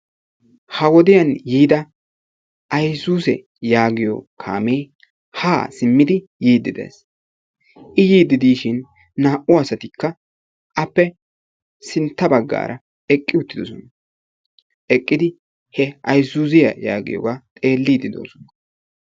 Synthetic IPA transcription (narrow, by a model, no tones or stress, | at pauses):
hɐwɔd̪ɪjɐnjiːd̪ɐ | ʔɐjsuːsɛ̰ | jaːɡɪjɔ̰kʰa̰ːmej | haːsɪmːɪd̪ɪ | jiːd̪ːɪd̪ḛːs | ʔɪjiːd̪ːɪd̪iːʃɪnː | aːʔʊɐsɐt̪ɪkːɐ | ʔɐpːɛ | sɪnt̪ːɐbɐɡːa̰ːɾʔɐ | ɛkʼːɪʊt̪ːɪd̪ɔsɔnɐ | ʔɛkʼːɪd̪ɪ | hɛɐjsuːzɪjɐ̰ja̰ːɡɪ̰jɔ̰ɡat̪ʼe̞ːlːiːd̪ɪd̪o̞̰ːsɔ̥nɐ